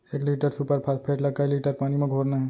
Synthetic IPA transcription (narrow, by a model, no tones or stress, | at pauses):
eːkliːʈəɾsupəɾpʰaːspʰeːʈləɡ̚kailiːʈəɾpaːnimẽɡʱoːɾnaɦɛː